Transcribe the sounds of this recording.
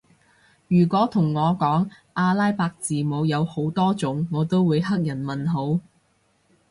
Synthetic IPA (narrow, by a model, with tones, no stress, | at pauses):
jyː˨˩kʷɔː˨˥t̪ʰʊ˨˩ŋːɔː˨˧kɔː˨˥ŋ | ʔaː˧laː˥jpaː˧k̚t͡siː˨˩mo˨˧wjɐ˨˧who˨˥wt̪ɔː˥t͡sʊ˨˥ŋːɔː˨˧t̪o˥wwuː˨˧jɦɐ˥k̚jɐ˨˩nmɐ˨nɦo˨˥w